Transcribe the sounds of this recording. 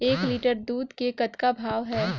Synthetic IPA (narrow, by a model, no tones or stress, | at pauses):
eːkliːʈəɾd̪uːd̪kekət̪kabʱaːʋɦɛː